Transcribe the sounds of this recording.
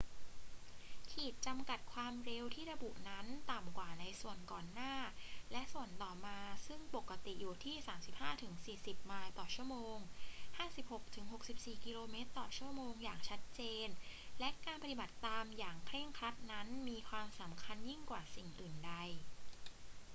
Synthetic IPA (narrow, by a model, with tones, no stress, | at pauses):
kʰiː˨˩t̪̚t͡ɕa˧mka˨˩t̪̚kʰwaː˧mɾe˧wt̪ʰiː˥˩ɾa˧bu˨˩ʔna˦˥nt̪a˨˩mkwaː˨˩na˧jsu˨˩ənkɔː˨˩nːaː˥˩lɛ˦˥ʔsu˨˩ənt̪ɔː˨˩maː˧sɯ˥˩ŋpo˨˩kːa˧t̪i˨˩ʔjuː˨˩t̪ʰiː˥˩saː˩˦msi˨˩p̚haː˥˩t̪ʰɯ˩˦ŋsiː˨˩si˨˩p̚maː˧jt̪ɔː˨˩t͡ɕʰu˥˩əmoː˧ŋhaː˥˩si˨˩p̚ho˨˩k̚t̪ʰɯ˩˦ŋɦo˨˩k̚si˨˩p̚siː˨˩ki˧loː˧meː˦˥t̪ːɔː˨˩t͡ɕʰu˥˩moː˧ŋjaː˨˩ŋt͡ɕʰa˦˥t̪̚t͡ɕeː˧nlɛ˦˥ʔkaː˧npa˧t̪i˨˩ba˨˩t̪ːaː˧mjaː˨˩ŋkʰɾe˥˩ŋkʰɾa˦˥t̪̚na˦˥nmiː˧kʰwaː˧msa˩˦mkʰa˧nji˥˩ŋkwaː˨˩si˨˩ŋʔɯː˨˩nda˧j